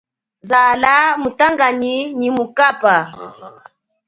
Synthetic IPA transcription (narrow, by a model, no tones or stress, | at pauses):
zalamutaŋɡaɲinimukapa